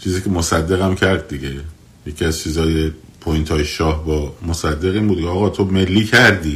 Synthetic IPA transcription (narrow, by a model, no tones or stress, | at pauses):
t͡ʃʰiːziːkʰʲe̞mosæd̪ːe̞ɣæmcʰæɾd̪̚d̪iɡe | jecʰiæzt͡ʃʰiːzɒːjepʰojint̪ʰɒːjeʃɒːhbɒːmosæd̪ːe̞ɣiːnbuːd̪kʰeɒːɣɒːt̪ʰome̞lːiːcʰæɾd̪iː